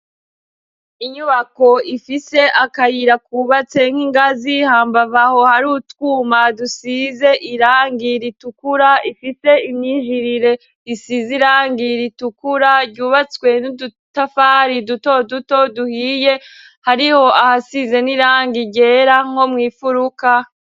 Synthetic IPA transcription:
iɲuβako̞ifise̞ʔakajiɾakuːβat͡se̞ŋ̥hiŋɡazihaːmbavaho̞haɾuːtwuːmadusize̞ʔiɾaːŋɡiɾitukuɾaifise̞imɲiːʒiɾiɾe̞ | isiziɾaːŋɡiɾitukuɾadɟuːβat͡swe̞nudu | tafaɾiduto̞duto̞duhije | haɾiho̞ahasize̞niɾaːŋɡiɟe̞ːɾaŋ̥o̞mŋiːfuɾuka

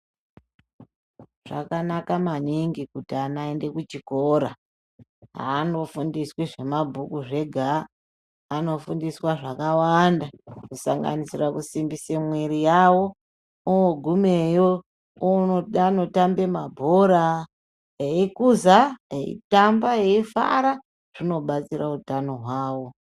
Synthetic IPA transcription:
ʐ̥akanakamaniŋɡikutianae̞nde̞kut͡ʃikoɾa | ɦa̰no̞fundiswiʐe̞mabʱukuʐe̞ɡʱaː | no̞fundiswaʐakawandakusa̰ŋɡa̰nisirakusimbisemwiɾijawo̞ | owoɡʱume̞jo | noano̞tambe̞mabʱoɾa | eikuzaeḭtambaeifa̰ɾa | r̥ino̞ɓat͡siɾautano̞ɦwaːwo̞

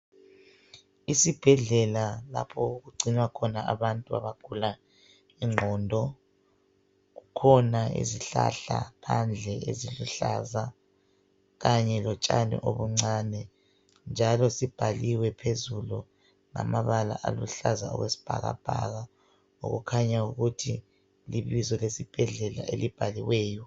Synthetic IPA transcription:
isib̥ʱɛɮɛlala̰pʰɔuɣuɡ͡ǀʱiɲwakʰɔnaaβantʼuaβaɡ̥ʱula | iŋ͡ǁʱɔːndʱɔ | ɣukʰɔnaḛziɬa̰ɬapʰand͡ɮʱɛʔeziluɬaza | ɣaɲɛlɔt͡ʃʼanɛ̰ʔoβuŋ͡ǀaːnɛ | nd͡ʒʱalɔsib̥ʱaliwɛpʰezulu | na̰maβala̰ʔalṵɬazaɔ̰ɣwesi̥b̥ʱa̰ɣa̰b̥ʱa̰ɣa | o̰ɣṵkʰaɲauɣutʰi | liβizɔlesib̥ʱɛɮɛlaʔelib̥ʱaliwɛːjɔ

